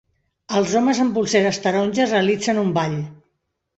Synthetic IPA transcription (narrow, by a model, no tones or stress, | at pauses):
əlˠzoməzəmbulˠseɾəst̪əɾonʲʒəzreəlid͡zənumbaʎ